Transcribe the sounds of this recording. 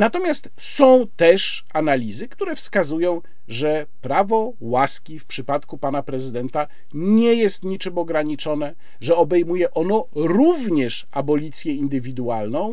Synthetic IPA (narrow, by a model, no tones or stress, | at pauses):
nat̪ɔmʲjast̪sɔ̃w̃t̪ɛʂ | analʲizɘkt̪uɾɛfskazujɔ̃w̃ | ʐɛ | pɾavɔ | waskʲifpʂɘpat̪kupanapɾɛzɘd̪ɛnt̪a | ɲɲɛjɛst̪ɲit͡ʂɘmɔɡɾaɲit͡ʂɔnɛ | ʐɛɔbɛjmujɛʔɔnɔɾuvɲɛʂ | abɔlʲit̪sʲjɛind̪ɘvʲid̪ualnɔ̃w̃